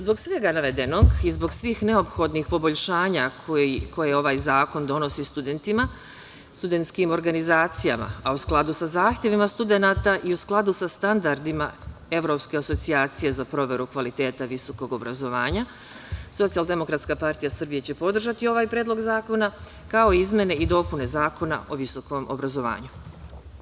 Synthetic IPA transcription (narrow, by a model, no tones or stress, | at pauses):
zbo̞ɡsʋe̞ɡanaʋe̞d̪e̞no̞ɡizbo̞ɡsʋiːxne̞o̞pxo̞d̪nixpo̞boʎʃaːɲako̞jeo̞ʋaːjzaːko̞nd̪o̞no̞sist̪ud̪e̞nt̪ima | st̪ud̪e̞nt̪skimo̞ɾɡanizaːt̪sija̰ma̰ausklˠad̪usazaːxt̪je̞ʋimast̪ud̪e̞naːt̪aʔiusklˠad̪usast̪and̪aɾd̪ima̰e̞ʋɾo̞ːpske̞aso̞t̪siaːt̪sije̞zapɾo̞ʋe̞ɾukʋalit̪e̞ːt̪aʋiso̞ko̞ɡo̞bɾazo̞ʋaːɲa | so̞t̪sijald̪e̞mo̞kɾat̪skapaɾt̪ijasɨr̩bije̞t͡ɕe̞po̞d̪r̩ʒat̪io̞ʋaːjpɾeːd̪lo̞ɡzaːko̞na | kao̞iizmje̞ne̞id̪o̞pune̞zaːko̞na̰ʔo̞ʋiso̞ko̞mʔo̞̰bɾazo̞ʋa̰ːɲu